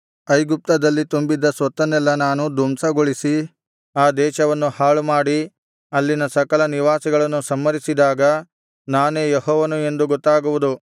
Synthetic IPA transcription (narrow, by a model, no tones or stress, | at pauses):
ɐjɡup̚t̪ɐd̪ɐlːit̪umbid̪ːɐsʋɐt̪ːɐnːɛlːɐnaːnud̪ʱumsɐɡoɭisi | aːd̪ɛːʃɐʋɐnːuhaːɭumaːɽi | ɐlːinɐsɐkɐlɐniʋaːsiɡɐɭɐnːusɐmːɐɾisid̪aːɡɐ | naːneːjeɦɔːʋɐnue̞nd̪uɡɔt̪ːaːɡuʋud̪u